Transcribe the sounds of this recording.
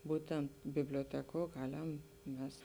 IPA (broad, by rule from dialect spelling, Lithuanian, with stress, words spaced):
ˈbuːtʲɛnt bʲɪbʲlʲoːˈtʲæːkuɔ ˈɡɑːlʲɛm ˈmʲɛs